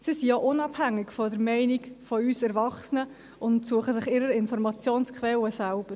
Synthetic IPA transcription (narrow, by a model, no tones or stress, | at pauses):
sisioʔʊnɑbhæŋːɪɡfɔdəɾmɛɪnikfɔyːsɛɾvɑχsənə | ʊntsuəχəsɪχɪɾəɾɪnfɔɾmɑt͡sjoːnskχʋɛləsælb̥əɾ